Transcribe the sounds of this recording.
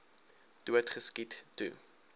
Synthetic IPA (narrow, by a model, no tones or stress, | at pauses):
tuətχəskitːṵ